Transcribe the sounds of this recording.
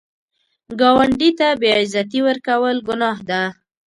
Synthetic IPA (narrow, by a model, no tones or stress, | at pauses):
ɡɑwaɳɖit̪abeɑɪzat̪iwəɾkawəlɡʊnɑhd̪a